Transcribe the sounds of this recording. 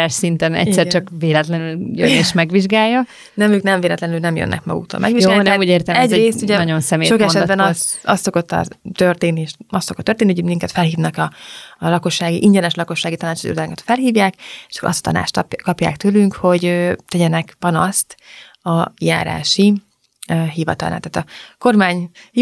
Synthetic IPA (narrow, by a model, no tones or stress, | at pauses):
aːʃsint̪ɛnɛ̰sɛɾt͡ʃɒkveːlɛt̪lɛnyljøneːʃmɛɡʋiʒɡaːjːɒ | nɛmyːknɛɱveːlɛt̪lɛnylnɛmjø̰nːʔɛ̰kmɒ̰ɡṵkt̪o̰lmɛ̰ɡʋijɡoaːlinɛuːɟeːrt̪ɛmɛɟreːst̪uɟɛnɒonsɛmeːʃokɛʃɛd̪bɛnɒst̪ɒst̪so̞kot̪ːɒ̰t̪ørt̪eːnːieːʃɒst̪sokot̪ːørt̪eːnihomiŋkɛt̪fɛlɦiːvnɛkɒlɒko̞ʃːaːɡḭʔiɲɟɛnɛʃlɒko̞ʃːaːɡit̪ɒnaːt͡ʃ̪ḭod̪aːŋkɒt̪fɛlɦiːvjaːkeʃɒ̥koʔɒ̰st̪ɒ̥t̪ɒ̰na̰ːt͡ʃt̪kɒpja̰ːkt̪øːlyŋkho̞ɟøt̪ɛɟɛnɛkpɒnɒst̪ | ɒja̰ːɾa̰ːʃi | øɦiːvɒ̰t̪ɒ̰lna̰t̪aːt̪ɒko̞rmaːɲ